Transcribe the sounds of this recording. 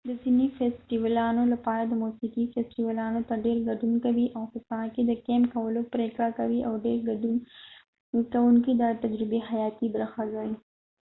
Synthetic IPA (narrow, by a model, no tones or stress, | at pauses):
d̪əzinifesʈiwəlaːnolapaːɾad̪əmusiːkifesʈiwalaːnot̪aɖeːɾɡɐɖunkɐwiʔawhɪsaked̪əkeːmkɐwəlopɾeːkɽakɐwiʔawɖeːɾɡ | kɐwunkid̪at̪ɐd͡ʒɾɪbeɦɐjaːt̪ibɾaxazai